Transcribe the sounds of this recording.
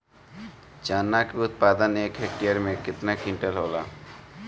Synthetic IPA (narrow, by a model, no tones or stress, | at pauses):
t͡ɕanːakbut̪̚pad̪anekʰeʈːiaɾmekit̪nakiɳʈelɦola